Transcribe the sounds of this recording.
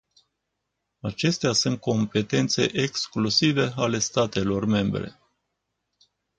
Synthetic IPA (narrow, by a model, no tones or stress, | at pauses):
at͡ʃe̞st̪easunt̪̚kʰo̞mpe̞t̪e̞nt̪se̞ʔeksklusive̞ale̞st̪at̪e̞lo̞rme̞mbɾe̞̰